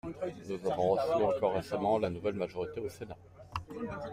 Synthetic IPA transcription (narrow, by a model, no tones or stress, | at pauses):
nuzavɔ̃ʁəsɥyɑ̃kɔʁːesamɑ̃lanuvɛlmaʒɔʁit̪eosena